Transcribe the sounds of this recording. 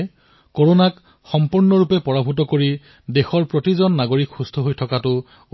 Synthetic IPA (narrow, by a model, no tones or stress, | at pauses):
koɹonak | xɔmpuɹnɔɹupɛpɔɹabʱut̬ɔkoɹi | dexɔɹpɹotizɔnːaɡoɹikxustʰɔɦojtʰɔkatʊ